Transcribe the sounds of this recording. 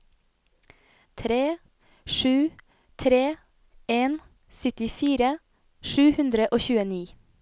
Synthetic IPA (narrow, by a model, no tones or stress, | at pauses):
t̪ʰɾeː | ʃʉː | t̪ʰɾeː | eːn | sʏt̪ɪfiːɾə | ʃʉːhʉnd̪ɾəʔoːçʉːəniː